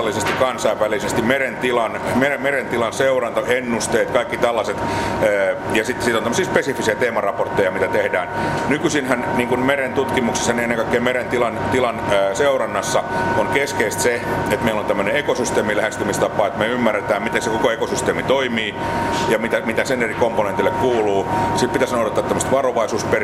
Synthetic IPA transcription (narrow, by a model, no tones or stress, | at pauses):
lːisest̪ikkɑnsɑiʋʋælisest̪imeɾent̪ilɑnmeemeɾent̪ilɑnseurɑnt̪ɑʔenːust̪eːt̪kɑikːit̪ælːɑset̪ː | jɑsit̪ːsiːt̪ont̪æmːəsiːspesifːisiæt̪eːmɑrɑport̪ːejɑmit̪æt̪ehdæːnnykysinhænniːŋkunmeɾent̪ut̪kimukse̥sːɑnienːeŋkɑikːeːmeɾent̪ilɑnt̪ilɑnːseurɑnːɑsːɑonkeskeist̪seet̪meilont̪æmːøneekosyst̪eːmilæhest̪ymist̪ɑpːˑɑːet̪meymːærːet̪æːmmit̪ensekokoekosyst̪eːmit̪oimiː | jɑmit̪æmit̪æsenerikomponent̪ilːekkuːluːsipit̪æsɑnoːt̪et̪ːˑɑt̪ːæmːst̪ʋɑroʋɑisuːsper